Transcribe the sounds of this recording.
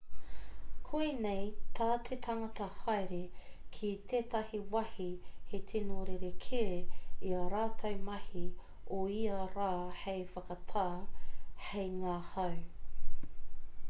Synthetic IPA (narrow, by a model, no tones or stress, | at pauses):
kʰuinejt̪ʰaːt̪ʰet̪ʰɐŋɐt̪ɐhɑjɾekʰit̪ʰeːtɐhiwɐhihetʰinoɾeɾekʰeiɐɾaːt̪ʰɐwmɐhi | oiɐɾaːhejfɐkɐt̪ʰaːhejŋaːhɐw